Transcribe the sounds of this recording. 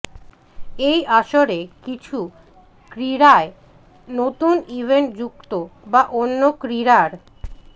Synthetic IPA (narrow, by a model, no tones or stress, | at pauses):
ejʔaʃoɾekit͡ɕʰu | kɾiɾae | not̪unibʱeɳʈ̚d͡ʑukt̪obaʔonːokɾiɾaɾ